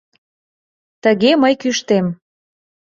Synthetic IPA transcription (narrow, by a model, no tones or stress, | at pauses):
t̪əɣeməjkyʃt̪em